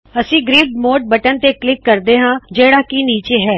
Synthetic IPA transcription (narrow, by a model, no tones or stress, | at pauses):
əsĩːɡɾiːɖmoːʈ̚bəʈənt̪eːklɪkːəɾd̪eːɦãːd͡ʒeːɽaːkiːniːt͡ʃeːɦɛː